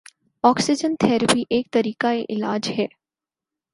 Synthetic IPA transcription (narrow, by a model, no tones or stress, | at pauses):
ɔːksɪd͡ʒənt̪ʰɛːɾəpiʔeːk̚t̪ɐɾiːkaeʔɪlaːd͡ʒɦɛː